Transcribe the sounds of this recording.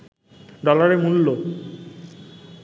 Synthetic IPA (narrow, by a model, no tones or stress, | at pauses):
ɖɔlaɾemulːo